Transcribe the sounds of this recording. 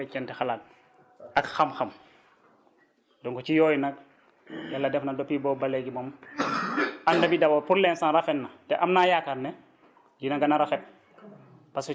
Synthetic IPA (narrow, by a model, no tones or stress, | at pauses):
ɛkɛntɛxalaːk̚ | ɐkxɐmxɐm | dɔŋkɔt͡ʃijɔːjnɐk̚ | jalːɐdɛfnɐdɔpibɔːbɐlːɛɡimɔm | ɐndɐbidɐbɐpuɾlɛnsanrɐfɛnːɐtɛʔɐmnaːjaːkaɾnɛ | ɟinɐɡɐnɐɾɐfɛp̚ | pɐs